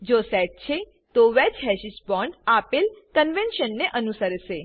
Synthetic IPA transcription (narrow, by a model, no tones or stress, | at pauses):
d͡ʒosɛʈ̚t͡ʃʰe | t̪oʋɛt͡ʃɦɛʃisbɔɳɖapelkənʋenʃənːeʔənusəɾʃe